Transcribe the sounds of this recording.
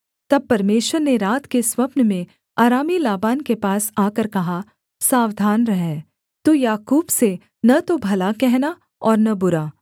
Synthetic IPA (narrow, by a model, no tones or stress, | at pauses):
t̪ɐb̚pɐɾmeːʃwəɾneɾaːt̪keswɐpnəmẽ | aːɾaːmilaːbaːnkepaːsaːkəɾkɐɦa | saːʋd̪ʱaːnɾɐɦɛ̃ː | t̪ojaːkuːbse | nɐt̪obʱɐlakɛɦna | ɔːɾnɐbʊɾaː